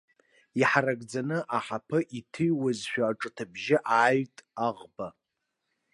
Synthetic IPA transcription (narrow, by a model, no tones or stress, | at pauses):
iħaɾaɡd͡zanɨʔaħapʰɨʔitʰɨjwazʃʷᶣaːʈ͡ʂʼɨtʰabʒɪʔaːɥtʼaʁba